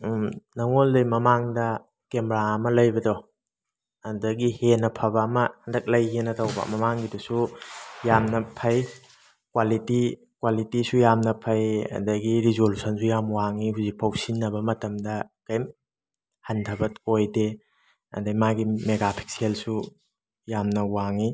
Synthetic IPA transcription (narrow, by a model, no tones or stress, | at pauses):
nɐŋoldɐjmɐmaŋdɐ | kemɾaɐmɐlɐjbɐdo | ɐdɐɡihenɐpʰɐbɐːmɐhɐndɐk̚lɐjɦenːɐtʰawbɐ̰mɐmaŋɡidusujamnɐpʰɐj | kwaliti | kwalitisujamnɐpʰɐjɐ̰dɐɡiɾizolusʰɐnsʰujamwaŋihuzik̚pʰɐwsinːɐbɐmɐtɐmdɐkɐjm | hɐntʰɐbɐtojde | ɐ̰dɐɡmaɡimeɡapʰi̥k̚sielsu | jamnɐwaŋi